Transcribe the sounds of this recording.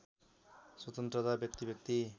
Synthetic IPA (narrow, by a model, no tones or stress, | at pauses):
swʌt̪ʌnt̪rʌt̪abjʌk̚t̪ibjʌk̚t̪i